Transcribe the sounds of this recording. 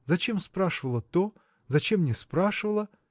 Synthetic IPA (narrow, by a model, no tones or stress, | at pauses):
zɐt͡ɕe̞mspɾaʂɨvəlˠət̪o | zɐt͡ɕe̞mnʲɪspɾaʂɨvəlˠə